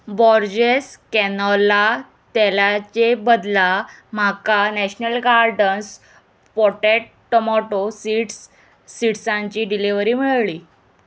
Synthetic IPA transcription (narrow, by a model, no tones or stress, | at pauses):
bɔɾd͡ʑeskɛnɔla | t̪ɛlat͡ɕebəd̪lam̤akanɛɕnəlɡaɾɖəns | pɔʈeʈ̚ | ʈəmɔʈosiʈsː | iʈsãɲt͡ɕiːɖiliʋɾiːmiɭɭiː